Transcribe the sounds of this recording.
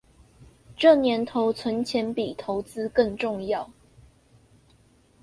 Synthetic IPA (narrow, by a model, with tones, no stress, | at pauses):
ʈ͡ʂɤ˥˨˩njɛ˧˥nt̪ʰo˧˦ʊt͡sʰwə˧˦nt͡ɕʰjɛ˧˥npi˨˩t̪ʰo˧˥ʊt͡sɹ̩˦˥kə˥˧ŋʈ͡ʂʊ˥˧ŋjɑ˥˨ʊ